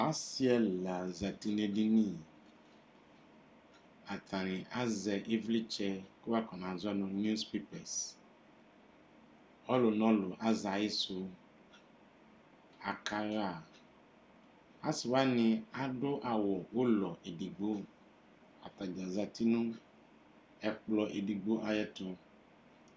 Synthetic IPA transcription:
a˦si˦ɛ˦la˨za˨ti˨ne˨di˦ni˦ | a˨tʰa˨nɪ̃˨ʔa˦zɛ˨ʔi˦vli˦t͡ʃɛ˦kɪ˦wa˦kɔ˨n˨a˨zɔ˦nʊ̃˦n˦u˦spe˦pɛ˨s | ɔ˦lʊ˨nɔ̃˦lʊ˨ʔa˦za˨ɪ˦sʊ˧ | a˨kʰa˦ja˨ | a˦sɪ˨wa˦nɪ̃˦a˦dʊ˦ʔa˨wɔ˨ʊ˦lɔ˨ʔe˨di˨ɡ͡bo˦ | a̰˨ta˨d͡ʒa˨za˨ti˦nʊ̃˦ | ɛ˨k͡plɔ˨ʔe˨di˨ɡ͡bo˦ʔa˨jɛ˦tʊ˦

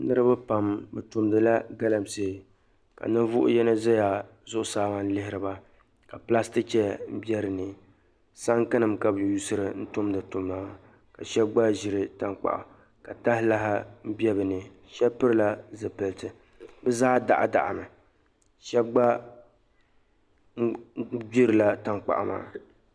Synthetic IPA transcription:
nɨ˦ɾɨ˦ba˦pa˨mbɨ˨tʊ˨mdɨ˨la˦ɡa˦la˨mseː˨ | ka̰˨nɨ˦vʊ˦ʔʊ̰˦jɛ˦nɨ˦zɛ˦ja˨ | zʊ˦ʔʊ˦saː˦ŋa˨n˦lɪ˦hɪ˦ɾɨ˨ba˦ | ka˨pla˦stɨ˦t͡ʃɛ˦m̩˦bjɛ˦ɾɨ˨nɨ˨ | sa˦ŋkɨ˦nɨ˨mka˨bɨ˨ju˦sɨ˦ɾɨ˨n̩˦tʊ˦mdɨ˨tʊ˨mːaː˦ | ka˨ʃɛ˦b̚ɡ͡ba˦ʒɪ˦ɾɨ˦ta˦ŋk͡pa̰˨ʔʊ̰˨ | ka˨ta˦hɪ˦la˦ɦɪ˦m̩˦bɛ˦bɨ˨nɨ˨ | ʃɛ˦bpɨ˦ɾɨ˦la˦zɨ˨pɨ˨ltɨ˨ | bɨ˦zaː˦da̰˨ʔa̰˨da̰˨ʔa̰˨mɨ˨ | ʃɛ˦b̚ɡ͡ba˦ | bi˦ɾɨ˨la˦ta˦ŋk͡pa̰˨ʔa̰˦˨ma̰ː˦˨

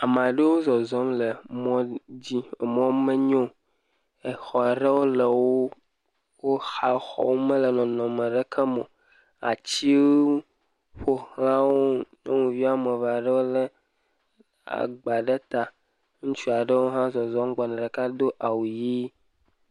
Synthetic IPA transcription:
a˨m˨a˨ɖe˦wo˦zɔ˨zɔ˦mlə˨mɔ̃˦d͡ʑi˦˨mɔ̃˦me˦ɲɔ̃˦ | e˨xɔ˨e˨ɖə˦wo˦le˨wo˦ | wo˦xa˦xɔ̰˨wo˦mə̃˦lə˨nɔ̃˨nɔ̃˨me˨ɖə˦kʰə˦mõ˨ | a̰˨t͡ɕi˦wo˦ | ɸo˦hla˦wo˦ɲɔ̃˦ŋũ˨vi˦a˦me˨va˨ɖə˦wo˦lə˦ | a̰˨ɡ͡ba˨ɖe˦t̪a˨ | ŋũ˦t͡ʃu˦a˨ɖə˦wo˦ɦã˦zɔ˨zɔ˦m˦ɡ͡bɔ˨nɛ̃˨ɖə˨ka˦d̪o˦ʔa˨wu˨ji˦

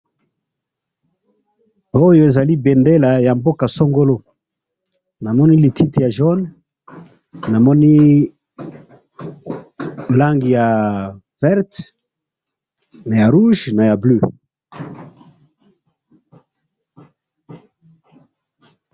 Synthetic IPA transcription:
o˦jo˨e˨za˨li˦be˨nde˦la˨ja˨mbo˦ka˨so˦ŋɡo˦lo˦ | na˨mɔ˦ni˦li˨tʰi˦tja˨ʒɔ˦n | na˨mɔ˦ni˦ | la˦ŋɡi˨ja˨ | vɛ˦ʁt | na˨ja˨ʁu˦ʒna˨ja˨blø˦

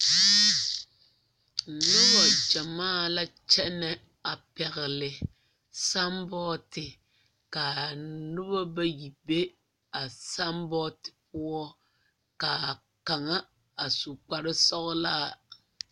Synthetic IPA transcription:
n̩˨nʊ˦bɔ˨d͡ʒa˨maː˦˨la˦t͡ʃɛ˦nɛ˨ | a˨pɛ˨ɣɪ˨lɪ˨ | sa˦mbɔː˦tɪ˨ | ka˨nʊ˦bɔ˦ba˦ji˨be˦ | a˨sa˦mbɔ˦tɪ̥˨p̚ʊ˦ɔ˦ | ka˨ | ka˨ŋa˦ | a˨su˨k͡pa˨ɾɪ˦sɔ˦ɣla˦˨

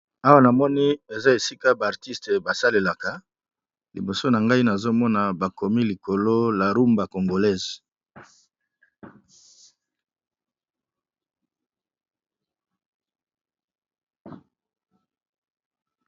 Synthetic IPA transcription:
a˦wa˦na˨mɔ˦ni˦e˨za˦e˨si˦ka˦baː˨ʁti˦ste˨ba˨sa˦le˨la˨ka˨ | lḭ˨bo˨so˦na˨ŋɡa˦i˦na˨zo˦mɔ˦na˨ba˨ko˨mi˦li˨ko˨lo˦la˨ʁu˦mba˨ko˨ŋɡo˨lɛ˦˨z

